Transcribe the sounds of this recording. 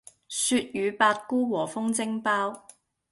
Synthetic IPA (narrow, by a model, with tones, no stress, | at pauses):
syː˧t̚jyː˨˧paː˧t̚kuː˥wɔː˨˩fʊ˥ŋt͡sɪ˥ŋpaː˥w